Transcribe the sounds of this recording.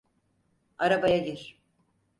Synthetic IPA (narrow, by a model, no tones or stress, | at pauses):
aɾabajaɟiɾ̥